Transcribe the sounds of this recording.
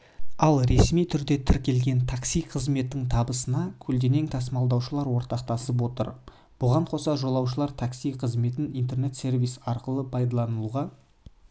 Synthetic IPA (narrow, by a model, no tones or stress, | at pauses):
ɑlˠɾe̞smijt̪ʰʏɾd̪e̞t̪ʰɪɾkʲʰe̞lɡʲe̞nt̪ʰaksijqʰəzme̞t̪ːɪŋt̪ʰɑbəsənɑkʲʰɵld̪e̞ne̞ŋt̪ʰɑsmɑlˠd̪ɑwʃəlˠɑɾwo̞ɾt̪ɑq̚t̪ɑsəp̬wo̞t̪ə̰ɾ | b̥ʊʁɑɴqʰo̞sɑʒo̞lˠɑwʃ̬əlˠɑɾt̪ʰaksijqʰəzme̞t̪ɪnijnt̪e̞rne̞t̪se̞rvʲijsɑɾqəlˠəpʰɑjd̪ɑlˠɑnəlˠuʁɑ